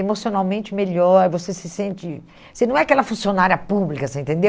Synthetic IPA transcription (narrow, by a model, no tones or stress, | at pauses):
emosionawmẽnt͡ʃɪmeʎɔɾvosesɪsẽnt͡ʃɪ | sɪnɐ̃w̃ɛakɛlɐfũsionaɾjɐpublikɐsẽẽt̪ẽnd̪e